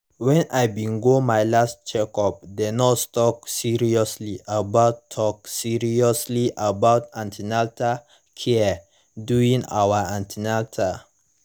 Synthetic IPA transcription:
wɛ̃najbĩŋɡomajlastt͡ʃɛkɔp̚denɔtstɔk̚siɹiɔsliʔabaʊtʰːɔk̚siɹiɔsliʔabaʊtãntʰinaltʰa | kʰɛ | duĩŋa̰waãntʰinaltʰa

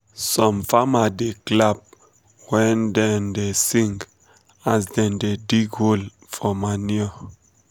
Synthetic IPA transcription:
sɔ̃mfamadeklab̚ | wɛ̃ndɛ̃ndesĩŋɡ | azdɛ̃ndediɡhol | fɔmaniɔ

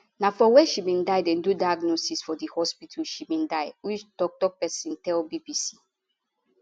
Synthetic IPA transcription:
nafɔwɛʃibĩndaɪdɛ̃ndudaaɡnosisfɔdihɔspitʰaʃibĩndaɪwit͡ʃdɔk̚tɔpɛsĩntɛlbibisi̥

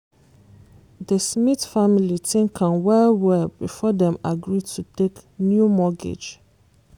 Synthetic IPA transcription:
dəsmitfamilitʰĩŋkʰãnwɛlwɛlbifɔdɛ̃maɡɹitʰuteknjumɔɡḭd͡ʒ

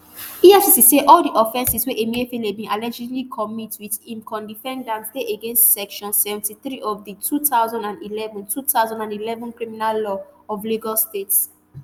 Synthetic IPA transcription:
iɛfsisiseʔɔlˠdiʔɔfɛ̃nsisweʔemiəfilebĩnalɛd͡ʒidlikʰɔmitwiðĩmkʰɔ̃ndifɛ̃ndãnsteʔeɡẽnstsɛkʃɔ̃nsɛvɛ̃ntiθɹiʔɔvditʰuθaʊzãndãndilɛvɔ̃ntʰutaʊzãndãndilɛvɔ̃nkɹiminalːɔɔvliɡɔstets

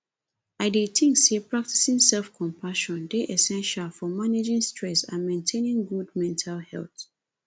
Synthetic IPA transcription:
aɪdetʰĩŋsepɹak̚ti̥sĩŋsɛlfkʰɔ̃mpʰaʃɔ̃ndeʔɛsɛ̃nʃalfɔmaned͡ʒĩŋstʰɹɛsã̰nmẽntʰẽnĩŋɡud̚mɛ̃ntʰalhɛ̰lˠθ

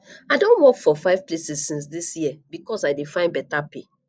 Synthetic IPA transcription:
aɪdõntwɔkfɔfaɪv̥plesisːĩns̬disjiəbikɔsaɪdefãɪ̃nbɛtape

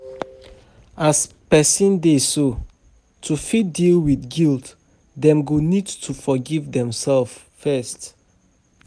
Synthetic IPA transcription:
as | pɛsĩndeso | tʰufit̚dilwiθɡilt | dɛ̃mɡonidtʰufɔɡivdɛ̃msɛlf | fɛst

